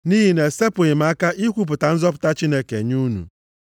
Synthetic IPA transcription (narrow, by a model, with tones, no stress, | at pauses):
ni˦ɦi˦ne˨se˦pʊ˨ɪ˨m̩a˨˦ka˦ʔi˦kʷu˦p̬ʊ˨ta˨n̩˦zɔ˦pʊ̥˨ta˦t͡ʃi˦ne˦ke˨ɲu˦nṵ˨